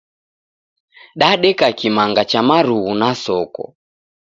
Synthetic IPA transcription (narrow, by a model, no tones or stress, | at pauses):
ɗaɗɛkakimaŋɡat͡ʃamaɾuɣunasɔkɔ̰